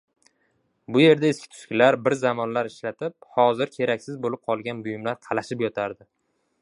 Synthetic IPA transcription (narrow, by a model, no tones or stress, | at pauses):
bʊje̞ɾd̪aeskʲʰɪt̪ʰʊ̥ʃkʲɪlaɾbɪɾzamɒnlaɾɪʃlat̪ʰɪp̚hɒzɪɾkʲʰe̞ɾakʲsɪzbolɪp̚qʰɒlˠɡʲanbʊjɪmlaɾq̪ʰɑlaʃɪpjɒt̪ʰaɾd̪ɪ